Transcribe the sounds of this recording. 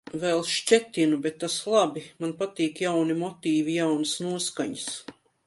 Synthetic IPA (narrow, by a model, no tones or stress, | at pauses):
vɛlˠʃt͡ʃɛt̪ʲinubɛt̪ːaslˠabimanpat̪iːkjawnimɔt̪iːvijawnɨsnuɔskaɲəs